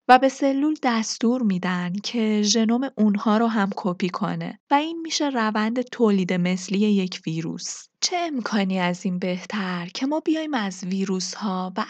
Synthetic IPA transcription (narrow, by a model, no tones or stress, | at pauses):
væbe̞se̞lːuːld̪æst̪uːɾmiːd̪ænd̪cʰe̞ʒe̞no̞me̞ʔunhɒːɾoɦæmkʰopʰiːkʰo̞̰ne̞̰væiːnmiːʃe̞rævænd̪e̞t̪ʰoːliːd̪e̞me̞slije̞je̞cʰviːɾṵːst͡ʃʰe̞emkʰɒːniːæziːnbe̞ht̪ʰæɾcʰe̞mɒːbijɒːjimæzviːɾuːshɒːvæ